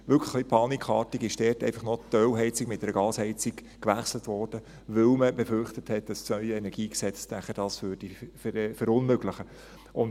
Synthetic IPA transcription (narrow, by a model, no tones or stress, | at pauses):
ʋʏlkʰlə̥χlipʰɑːnikʰχɑːtiɡɪʃd̥ɛːrtɛ̰ɪfɑχnɔtœwɦɛɪt͡sɪkmɪt̚dɛɾəɡɑːshɛɪt͡siɡ | kʋæχslətʋɔːrd̥ə | ʋɵlməbefʏrχtəthɛt̚d̥ɑssnœʏəɛnɛɾɡ̥iːksɛt͡snæχəd̥ɑːsʋøːrd̥ifɾfəɾʊnmøɡləχə | ʔʊnd